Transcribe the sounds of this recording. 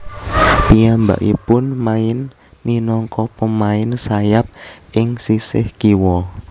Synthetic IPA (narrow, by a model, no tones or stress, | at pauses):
piamba̰ʔipʊnmaɪnː | inɔŋkɔpəmaɪnsajap̚ɪŋsisɪ̰hkiwɔ